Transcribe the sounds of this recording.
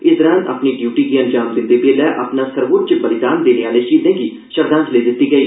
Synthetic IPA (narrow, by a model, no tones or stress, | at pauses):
ɪsd̪əɾãnə̰pniɖjuːʈiːkiɐ̃nd͡ʒaːmd̪ɪnd̪ebeːlɛːʔɐpnasəɾʋoːt̪̚t͡ʃəbəlɪd̪aːnd̪eːneaːlet͡ʃiːd̪ẽːɡi | ʃəɾd̪ãːnt̪leːd̪ɪt̪ːiɡəiː